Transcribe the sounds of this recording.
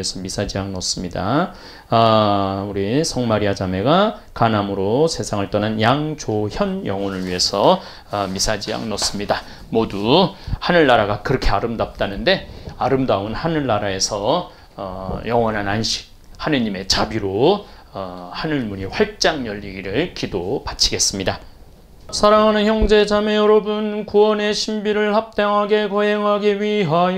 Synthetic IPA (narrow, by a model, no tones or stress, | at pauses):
esʰʌmisʰad͡ʑijaŋnʌs͈ɯmɲida | uɾisʰʌŋmaɾiad͡ʑame̞ɡa | kanamɯɾosʰe̞sʰaŋɯɭt͈ʌnɦanjaŋd͡ʑoçjʌnjʌŋwʌnɯɭɥiɦe̞sʰʌ | ʌmisʰad͡ʑija̰ŋnʌs͈ɯmɲida | moduhanɯɭːaɾaɡakɯɾʌkʰe̞aɾɯmdap̚t͈anɯnde̞aɾɯmdaunhanɯɭːaɾae̞sʰʌ | jʌŋwʌnɦananɕʰi̥k̚hanɯɲime̞t͡ɕabiɾo | ʌhanɯɭmuɲiɸwaɭ̚t͡ɕ͈aŋjʌʎːiɡiɾɯɭkidopat͡ɕʰiɡe̞s͈ɯmɲida | sʰaɾaŋɦanɯnçjʌŋd͡ʑe̞d͡ʑame̞jʌɾʌbunkuwʌne̞ɕʰimbiɾɯɭhap̚t͈aŋɦaɡe̞kʌɦeŋɦaɡiɥiɦa